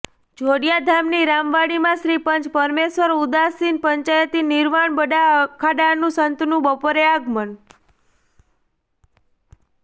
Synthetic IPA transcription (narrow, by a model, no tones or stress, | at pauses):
d͡ʒʱoɽijad̪ʱamniɾamʋaɽimãʃɾipənt͡ʃpəɾmeʃʋəɾud̪asinpəɲt͡ʃajət̪iniɾmaɳbəɖakʰaɖanũsənt̪nũbəpoɾeaɡmən